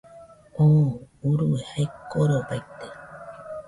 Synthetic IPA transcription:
ouɾuehaekoɾeopajt̪e

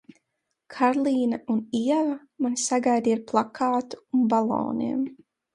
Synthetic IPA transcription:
kʰaɾlˠiːnauniɛvɐ | manisaɡajd̪iaɾplˠakʰaːt̪u̥unbalˠɔ̰ːnḭɛm

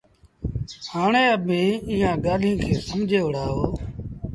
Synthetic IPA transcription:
haːɳeːəbʱĩːĩːãːɡaːlĩːkʰeːsəmd͡ʒʱeːʊɽ̤aːɦoː

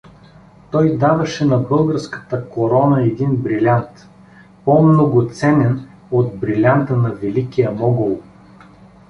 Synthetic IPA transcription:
t̪ɔjd̪avɐʃɛnɐbɤlˠɡəɾskə̥t̪əkoɾɔnəɛd̪inbɾilʲant̪ | pomnoɡot̪sɛnɛn | od̪bɾilʲant̪ənɐvɛlikijəmɔɡʊlˠ

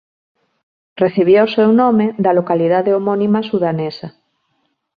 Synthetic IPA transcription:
reθiβ̞josewnõmeðalokaliðaðeomonĩmasuðanesa

